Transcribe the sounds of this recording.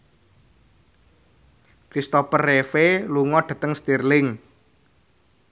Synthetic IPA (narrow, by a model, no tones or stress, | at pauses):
kɾist̪opərːefeluŋɔɖ̥a̤t̪əŋst̪irlɪŋ